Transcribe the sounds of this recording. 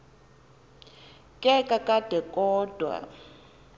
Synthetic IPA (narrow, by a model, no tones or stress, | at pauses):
kʼɛkʼakʼad̥ɛkʼɔːd̥ʱwa̰